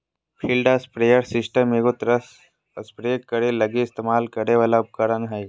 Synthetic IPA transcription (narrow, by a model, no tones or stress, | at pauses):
pʰilɖəspɾejəɾsɪsʈəmeɡot̪ɾəs | əspɾekːɐɾelɐɡeɪst̪emaːlkɐɾeʋaːlaʊp̚kəɾənɦəj